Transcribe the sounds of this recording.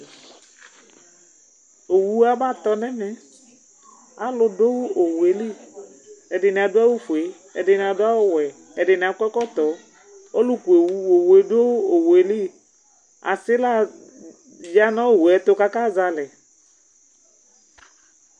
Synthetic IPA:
o˨wu˦a˦ba˦˨t̪ɔ˦nɛ˦mɛ˨ | a˨lʊ˨do˦wu˦ʔo˨wu˨e˨li˦ | ɛ˨dɪ˨nɪ˨a˨dʊ˦a˦wu˦fu˨e˨˦ | ɛ̰˨dɪ˨nɪ˨a˨dʊ˦a˦wʊ˦wɛ˨ | ɛ˨dɪ˨nɪ˨a˨˦kʷɛ˦kɔ˦t̪ɔ˨ | o˦lu˦ku˨e˨wu˦o˨we˨˦do˦wo˨we˨li˦ | a̰˨sɪ˦la˦ | ja˦nɔ˦o˨wu˨ɛ˨˦t̪ʊ˦ka˦ka˦˨za˧lɛ˨

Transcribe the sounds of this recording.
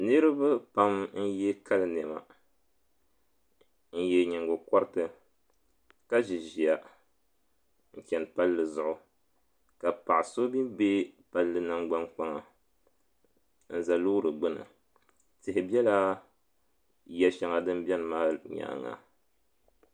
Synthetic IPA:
nɨ˦ɾɨ˦bɨ˦pa˦mn̩˦jɛ˦ka˦lɨ˨nɛ˨ma̰˨ | n̩˦jɛ˦ɲɪ˨ŋɡʊ˨kɔ˦ɾɨ˦tɨ˨ | ka˦ʒi˨ʒi˨a˨ | ŋ̩˦t͡ʃʲɛ˨npa˦lːɨ˨zʊ˨ʔʊ˨ | ka˨pa˨ʔɪ˨so˦bi˦mbe˦pa˨lːɨ˨na˦ŋɡ͡ba˦nk͡pa˦ŋa˨ | n̩˦za˨lo˦ɾɨ˨ɡ͡bɨ˦nɨ̰˨ | tɪ˨hɪ˨bi˦ɛ˦la˦ | jɛ˨ʃa˨ŋa˨dɨ˦m˦bɛ˦n˨maː˦ɲa̰˨ŋa̰˨

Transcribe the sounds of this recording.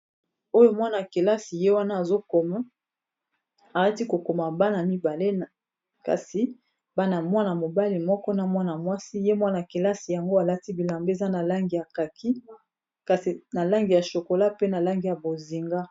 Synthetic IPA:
o˦jo˦mwa˦na˨ke˨la˦si˨je˦wa˦naː˦˨zo˦ko˨ma˦ | a˨ɣa˦ti˦ko˨ko˨ma˨ba˦na˨mi˦ba˨le˦˨ | ka̰˨si˨ | ba˦na˨mwa˦na˨mo˨ba˦li˨mɔ˦kɔ˦na˨mwa˦na˨mwa˦si˦je˦mwa˦na˨ke˨la˦si˨ja˨ŋɡo˦a˨la˦ti˦bi˨la˨mbe˦˨za˦na˨la˦ŋɡja˨ka˨kʰi˦ | ka˨si˨na˨la˦ŋɡi˨ja˨ʃo˨ko˨la˦pe˦na˨la˦ŋɡi˨ja˨bo˨zi˨ŋɡa˦

